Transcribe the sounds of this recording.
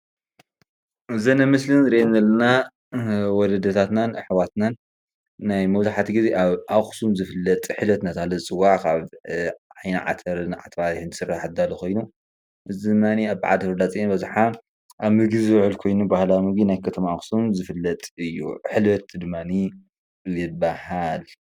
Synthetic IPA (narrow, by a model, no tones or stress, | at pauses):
ɨzɐnɐmɨslɨnɾennɐlːɐna | wɔlɐd̪ɐt̪ʰat̪nanħwat̪nanː | ajmɐβzaħat̪ʰiɡizeʔaβʔaxsumzɨfɨlːɐt̪ʼħɨlɐt̪nat̪ʰahlɐzɨt͡sʼɨwːaʕkʰaβʕajnaʕa̰t̪ʰɐɾnʕa̰t̪ʰβahɨnt̪ɨsɨraħt̪d̪alukʰo̞jnu | ʔɨzid̪ɨmːaniaβʕa̰d̪fɨɾd̪at͡sʼinbɐzħa | ʔaβmɨɡizɨwʕɨlkʰo̞jnubahlamɨɡinajkʰɐt̪ʰɐmaaxsumzɨfɨlːɐt̪ʼɨjːṵħɨlɐt̪d̪ɨmːani | jɪbahal